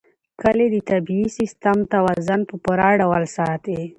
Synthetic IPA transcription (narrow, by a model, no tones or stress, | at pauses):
kəled̪ət̪abiːsist̪amt̪awazanpəpuɾɑɖawalsɑt̪e